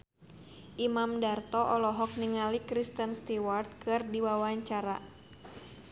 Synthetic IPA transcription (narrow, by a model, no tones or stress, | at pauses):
ʔimamdart̪ɔʔɔlɔɦɔk̚niŋalikɾist̪ənst̪iwart̪̚kɨrdiwawaɲt͡ʃaɾa̰